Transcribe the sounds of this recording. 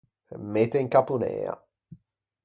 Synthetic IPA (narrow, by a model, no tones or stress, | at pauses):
mːet̪eiŋkapunɛ̰ːa̰